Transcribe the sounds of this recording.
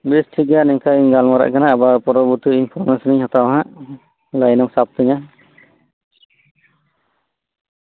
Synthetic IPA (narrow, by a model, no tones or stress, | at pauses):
bisʈʰiɡanɛŋkʰajɡalmaɾa̰ʔkanaːbapɔɾɔbut̪uinpʰɔɾmesɔniɲhat̪awaɦaʔ | lajnɔmsap̚t̪ɯɲa